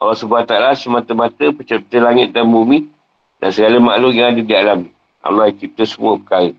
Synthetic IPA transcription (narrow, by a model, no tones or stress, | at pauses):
a̰lːɔhsubuat̪alasəmat̪əmat̪əpət͡ʃəp̚t̪əlaŋɪt̪̚dambumi | dansəɡaləmaʔlujaŋadədialam | ʔa̰lajakip̚t̪əsəmuəpəkaɾə